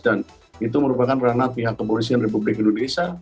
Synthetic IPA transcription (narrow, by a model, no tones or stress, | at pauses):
t̪an | it̪uməɾupakanranapiɦakːəpolis̬ianrep̬ublɪkindonesa